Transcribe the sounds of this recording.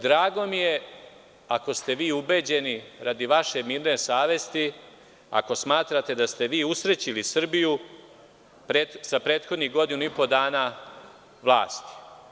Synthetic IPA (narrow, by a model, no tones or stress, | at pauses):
d̪ɾaːɡo̞mije | ako̞st̪e̞ʋiːube̞ːd͡ʑe̞niɾad̪iʋaʃe̞miːɾnesaːʋe̞st̪i | a̰ko̞smaːt̪ɾat̪e̞d̪ast̪e̞ʋiːusɾet͡ɕilisr̩biju | pɾezapɾe̞ːt̪xo̞d̪niɣɡo̞d̪inuipo̞d̪aːnaː | ʋlˠa̰ːst̪i̥